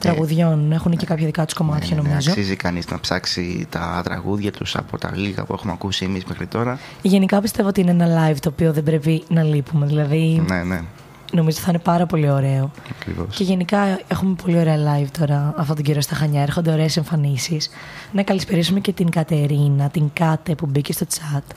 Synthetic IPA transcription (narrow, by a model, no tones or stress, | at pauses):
t̪ɾɐɣuðʝo̞ne̞xunece̞kɐpçɐðikɐt̪u̥sko̞mɐt̪çɐno̞mizo̞sizikɐniznɐ̰psɐksḭt̪ɐ̰t̪ɾɐ̰ɣuðʝɐt̪usɐ̰po̞t̪ɐ̰liɣɐ̰pue̞xumeɐkusimizmexɾit̪o̞ɾɐ | ʝe̞nikɐpist̪e̞voot̪iieneenɐlɐjvt̪o̞ːpio̞ðe̞bɾe̞pinɐlipume̞ðilɐðinene | no̞mizot̪iθɐine̞pɐɾɐpo̞lio̞ɾe̞o̞ɐkɾḭvo̰sce̞ʝe̞nikɐe̞xume̞polio̞ɾeɐlɐjvt̪o̞ɾɐːft̪ot̪oɟeɾost̪ɐxɐɲɐe̞ɾxo̞nd̪eo̞ɾe̞ːseɱfɐnisis | nɐkɐlispeɾisume̞ce̞t̪iŋkɐt̪e̞ɾinɐt̪iŋkɐt̪e̞pubicest̪o̞t͡sɐt̪